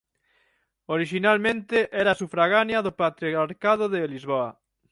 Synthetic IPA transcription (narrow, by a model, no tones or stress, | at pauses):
oɾiʃinalmẽnt̪ɪʔɛɾasufɾaɣanjɐðopat̪ɾiaɾkað̞oðelizβoa